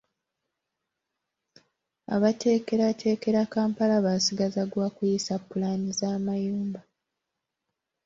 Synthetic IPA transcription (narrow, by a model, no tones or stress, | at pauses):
a̰βatʰe̞ːke̞ɾatʰe̞ːke̞ɾakaːmpalaβasiɡazaɡwaːkujisapːulanizaːmajuːmba